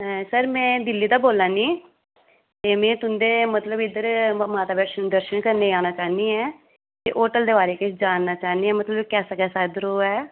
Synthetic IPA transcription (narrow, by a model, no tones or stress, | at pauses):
ɛsəɾmɛ̃ːd̪ɪlːiːd̪aːboːlãːnĩː | t̪eːmɛ̃ːt̪ʊnd̪eːmət̪ləbɪd̪əɾmaːt̪aːbɛːʃənd̪əɾʃənkəɾneːaːnaːt͡ʃaːniːɛː | k̪eːʔoːʈəld̪eːbaːɾeːkɪt͡ʃd͡ʒaːnːaːt͡ʃaːniːɦɛːmət̪ləbkɛːsəkɛːsaːd̪əɾoːɛː